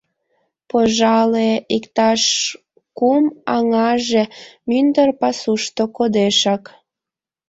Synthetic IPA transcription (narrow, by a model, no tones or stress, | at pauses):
poʒɑleikt̪ɑʃ | kumɑŋɑʒemynd̪ərpɑsuʃt̪okod̪eʃɑk